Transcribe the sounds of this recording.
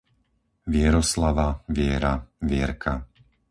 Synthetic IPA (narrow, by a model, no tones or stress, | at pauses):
ʋɪɛɾɔslaʋaʋɪɛɾaʋɪɛɾkʰa